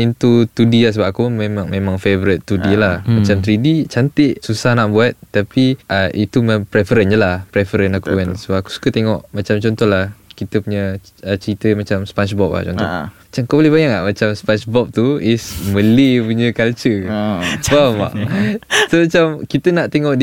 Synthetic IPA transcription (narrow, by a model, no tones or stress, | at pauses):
int̪ut̪udilahs̬əbapakumemaŋmemãŋfevəɾɪt̪ːudilamat͡ʃamt̪ɾidit͡ʃant̪ɪʔsusahnaʔbuat̪̚t̪ːapiʔəʔit̪umpɾefəɾənd͡ʒəlahpɾefəɾənakuɛnsəbapaku̥su̥kət̪eŋɔʔmat͡ʃamt͡ʃɔnt̪ɔhlahkit̪əpuɲə | ət͡ʃəɾit̪əmat͡ʃamspant͡ʃbɔp̚la̰t͡ʃɔ̰nt̪ɔ̰mat͡ʃamkabolɛhbajaŋaʔmat͡ʃamspant͡ʃbɔp̚t̪uisməlipuɲəkalt͡ʃə | ama̰ʔt̪omat͡ʃamkit̪ənaʔt̪eŋɔʔd